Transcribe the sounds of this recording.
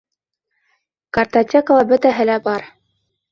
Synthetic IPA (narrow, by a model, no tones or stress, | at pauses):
kɐrt̪atʲekəlˠɑbɵ̆t̪æɦɘ̆læbɑɾ